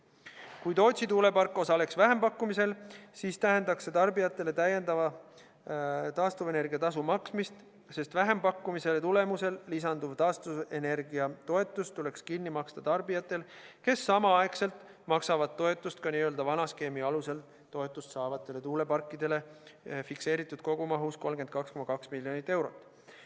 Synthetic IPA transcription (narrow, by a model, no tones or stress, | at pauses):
kujt̪o̞ːt̪sit̪uːle̞pɑrkːˑo̞sɑle̞ksvæɦe̞mpɑkːˑumise̞lsiːst̪æɦe̞nd̪ɑkse̞t̪ɑrbijɑt̪ːˑe̞le̞t̪æjend̪ɑvɑ | t̪ɑːst̪uve̞ne̞rɡ̥iɑt̪ɑs̬umɑksmist̪ | se̞st̪væɦe̞mpɑkːumise̞let̪ule̞muse̞llisɑnd̪uv̥t̪ɑːst̪uve̞ne̞rɡiɑt̪o̞e̞t̪ːˑust̪ule̞kskinːimɑkst̪ɑt̪ɑrbijɑt̪ːˑe̞lke̞sːɑmɑɑekse̞lt̪ˑ | mɑksɑvɑd̪̥̚t̪ːo̞e̞t̪ːˑust̪kɑniːø̞ld̪ɑvɑnɑske̞ːmiɑluse̞l | t̪ːo̞e̞t̪ːˑust̪sɑːvɑdt̪selːet̪uːle̞pɑrkːˑid̪̥e̞le̞fikse̞ːɾit̪ːˑud̪̥̚ko̞ɡ̥umɑɦusko̞lmke̞n̚kɑksko̞mɑkɑksmilːjonit̪ːˑe̞wɾo̞t̪ːˑ